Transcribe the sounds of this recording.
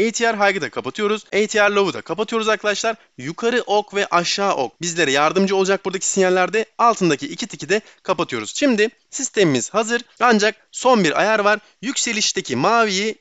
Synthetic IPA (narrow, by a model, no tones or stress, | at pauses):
ejit̪ʰijaɾɦajɡɯd̪akʰapat̪ʰɯjo̞ɾuz̥ejit̪ʰijaɾlʲˠo̞vud̪a̰kʰapat̪ʰɯjo̞ɾuzaɾkʰalˠaʃlˠaɾ | jukʰaɾɯʔo̞kvɛʔaʃːaːʔok̚bizlʲe̞ɾɛjaɾd̪ɯmd͡ʒɯo̞lˠad͡ʒak̚buɾd̪acʰi̥sinalːʲæɾd̪ɛalˠt̪ʰɯnd̪acʰiicʰit̪ʰicʰid̪ɛ | kʰapat̪ʰɯjo̞ɾuz̥ʃimd̪ɪ | sist̪ʰemimiz̥hazɯɾand͡ʒak̚so̞nbiɾa̰jæɾvaɾ | jycse̞lʲiʃt̪ʰecʰimaːviji